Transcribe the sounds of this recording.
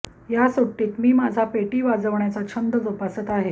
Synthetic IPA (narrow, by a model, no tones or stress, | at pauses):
jasuʈːiːk̪miːmad͡zʱapeʈiːʋad͡zəʋɳjat͡sat͡ɕʰənd̪əd͡zopasət̪aɦe